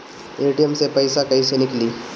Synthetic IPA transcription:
eːʈijəmsepɐɪsakɐisenɪkliː

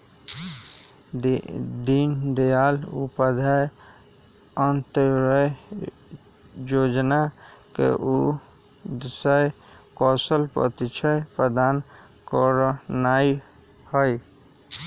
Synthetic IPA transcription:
d̪ind̪ejaːlṵpəd̪ʱaj | ənt̪ɾəj | joːd͡ʒna | kḛʔu | d̪səj | kɔːsəlpɾə̰t̪it͡ʃʰəjpɾəd̪aːn | kɔɾnai | həj

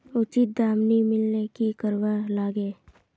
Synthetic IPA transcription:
ʊt͡ʃit̪̚d̪aːmnimɪlnekikəɾʋalaːɡeː

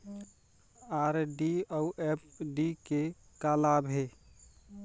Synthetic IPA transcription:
aɾɖiauʔɛpɖike | kalabʱɦe

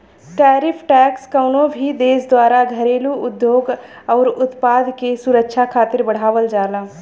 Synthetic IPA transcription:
ʈaːɾɪpʰʈɛːkskəʊnõbʱid̪eːsd̪waːɾaɡʱəɾeːluʊd̪joːɡ | ɔːɾʊt̪paːd̪kesʊɾəkʃʰakʰaːt̪ɪɾbəɽ̤aːʋəld͡ʒaːlaː

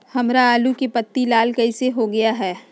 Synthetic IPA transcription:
hɐmɾaaːlukepɐt̪ːilaːlkɐiseɦoɡɐjaɦɛː

